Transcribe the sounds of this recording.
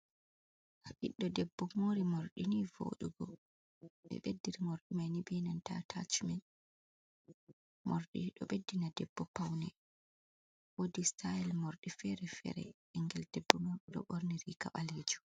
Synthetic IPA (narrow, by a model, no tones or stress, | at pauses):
haʔiɗːɔdɛbːɔmoːɾimoɾɗinivo̰ɗṵɡɔ̰ | ɓɛ̰ɓedːiɾimoɾɗimajnibɛnanta̰tʰat͡ʃumɛn | moɾɗḭɗɔ̰ɓedːinadɛbːɔpawnɛ | wodistʰajɛlmoɾɗifɛɾɛfɛ̰ɾɛ̰ʔɛŋɡɛldɛbːɔmoɗuɗɔ̰ɓoɾniɾikaɓaled͡ʒu̥